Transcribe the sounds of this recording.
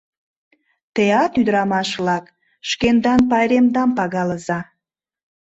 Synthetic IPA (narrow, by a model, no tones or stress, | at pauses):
t̪eɑt̪yd̪əɾɑmɑʃβlɑk | ʃkend̪ɑnpɑjɾemd̪ɑmpɑɣɑləzɑ